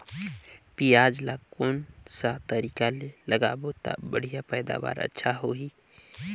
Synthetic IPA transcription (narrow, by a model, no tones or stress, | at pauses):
pijad͡ʒlakoːnsat̪əɾikaleləɡaːbot̪a̰bəɽ̤ijapəɪd̪a̰ba̰ːɾə̰tːʃʰaɦoɦi